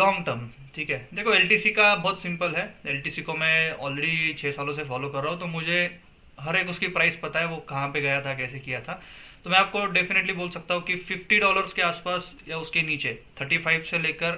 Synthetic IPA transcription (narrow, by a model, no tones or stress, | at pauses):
lɔːŋɡʈəɾm | ʈʰiːkɦɛːd̪eːkʰoɛːlʈiːsikabɔːt̪sɪ̃mpəlɦɛeːlʈiːsikomɛ̃ɔ̰ːleɽit͡ʃʰeːsaːlõs̬efɔːlokɐɾːaːɦũt̪omʊd͡ʒʱe | ɦɐɾeːkʊskipɾaːɪspɐt̪aɦɛʋokɐɦãpeɡɐjat̪ʰakɛːsekijat̪ʰat̪omɛ̃aːp̚koɖefɪneʈliboːlsɐk̚t̪aɦũkifɪfʈiɖɔːləɾzkeaːspaːsjaʊskeniːt͡ʃet̪ʰəɾʈifaɪʋseleːkəɾ